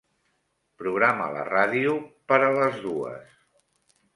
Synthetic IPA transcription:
pɾuɣ̞ɾamə̰lə̰raðiupəɾələzðuə̰s

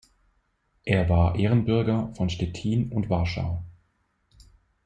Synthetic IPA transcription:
ʔeːɐvaːɐʔeːʁənbʏɐɡɐfɔnʃtɛtʰiːnʊntv̥aɐʃa̰ʊ

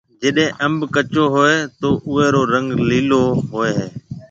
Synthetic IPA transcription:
d͡ʒɪɗẽːʔəmbkət͡ʃoːɦoːeːt̪oːʔʊeːɾoːɾə̃ŋɡliːloːɦoːeːɦeː

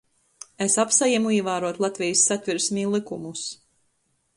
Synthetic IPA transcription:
esapsajamuiɛvaːɾuɔt̪lˠat̪vʲijsːat̪vʲiɾsmiːlˠikumus

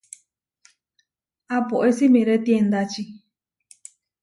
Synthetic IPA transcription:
apoʔesimĩɾet̪jend̪at͡ʃi

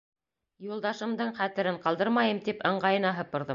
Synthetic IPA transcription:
julˠd̪ɑʃɤ̆md̪ɤɴχæt̪ɘ̆ɾɘɴqɑlˠd̪ɤɾmɑjɤmt̪ipɤ̆ɴɢɑjɤ̆nɑɦɤ̆pɤ̆ɾðɤm

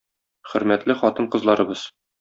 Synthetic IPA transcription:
χɵ̆ɾmæt̪lɘχɒt̪ɤɴqɤ̆zlˠɑɾɤ̆bɤz̥

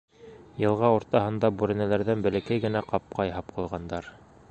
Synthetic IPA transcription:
jɤ̆lˠʁɑoɾt̪ɑɦɤ̆nd̪ɑbʉɾɘ̆nælæɾðænbɘ̆lɘ̆kæjɡɘ̆næqɑp̚qɑjɦɑp̚qŭlˠʁɑnd̪ɑɾ

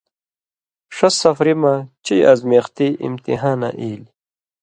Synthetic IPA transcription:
ʂɐsɐfɾimat͡ɕijɐzmeːxt̪iːʔḭmt̪ḭɦaːna̰ʔiːli

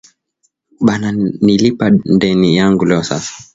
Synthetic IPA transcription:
ɓananilipandɛnijaŋɡulɛɔsa̰sḁ

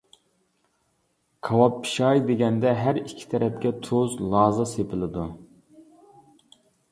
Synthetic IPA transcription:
kʰɑwɑp̚pʰːi̥ʃɑjd̪eɡʲɛnd̪ɛɦæɾikʲʰːi̥t̪ʰɛɾɛp̚kʲɛt̪ʰozlˠɑːzɨsepʰɪlˠɨd̪u

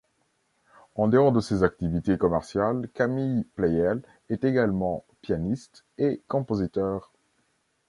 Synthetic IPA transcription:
ɑ̃d̪eɔʁd̪əsezak̚t̪ivit̪ekɔmɛʁsjalkamijplɛjɛl | ɛt̪eɡalmɑ̃ | pjanist̪ | ekɔ̃pozit̪œːʁ

